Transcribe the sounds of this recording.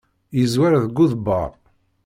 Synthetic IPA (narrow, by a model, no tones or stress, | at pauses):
jəzwæɾðɡuðbə̰ɾˤ